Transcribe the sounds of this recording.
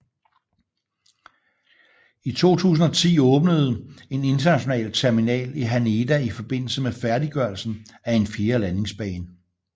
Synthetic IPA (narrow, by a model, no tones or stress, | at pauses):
it͡sʰo̝̰ːt͡sʰṵːs̬n̩ɒ̽t͡sʰḭːɔ̽ːb̥nəð̞̩ˠe̝ne̝nd̥ɐnæɕo̝nɛ̰ːlt͡sʰæɐminɛ̰ːliɦæne̝d̥æifɒ̽b̥e̝n̰l̩səmefæɐdiɡ̥ɶɐlsn̩æe̝nfiːɐlæne̝ŋsb̥ɛ̰ːn